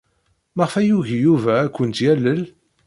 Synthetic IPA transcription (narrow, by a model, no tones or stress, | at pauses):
məʁəfæjuʝjuvæːkʷːənt̪jælːəl